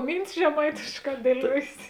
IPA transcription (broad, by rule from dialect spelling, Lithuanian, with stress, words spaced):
ˈmʲiːnʲtʲɪs ʒʲɛˈmɐɪtʲeːʃˌkɑː dʲiɛˈlʲuɔjeːs